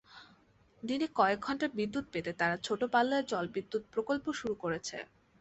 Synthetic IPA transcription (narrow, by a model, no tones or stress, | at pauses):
d̪inekɔek̚ɡʱɔɳʈaɾbid̪ːut̪̚pet̪et̪aɾat͡ɕʰoʈopalːaeɾd͡ʑɔlbid̪ːut̪̚pɾokolpoʃuɾukoɾet͡ɕʰḛ